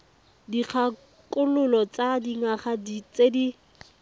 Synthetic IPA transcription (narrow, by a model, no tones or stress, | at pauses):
diq͡χʰa | kʼʊlʊlɔt͡sadiŋaχadit͡sedi